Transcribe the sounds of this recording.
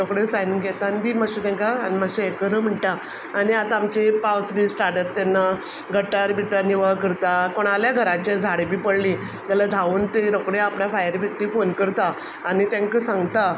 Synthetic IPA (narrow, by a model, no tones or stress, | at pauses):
ɾɔkɽesaniŋɡʱɛt̪and̪imaɕit̪ɛ̃ŋkaːnimaɕiekəɾəm̤əɳʈaː | niat̪aːmt͡ɕepawsbʱiːsʈaɾʈət̪ːɛnːa | ɡʱəʈaɾbiʈaniʋaɭkəɾt̪akoɽ̃aljaɡʱəɾat͡ɕed͡zʱaɽebʱiːpəɽlĩ | ɡ̪alad̪ʱauːnt̪eɾokɽeapnafajəɾbʱiʈlifonkəɾt̪aː | ñit̪ɛ̃ŋkəsãŋɡt̪a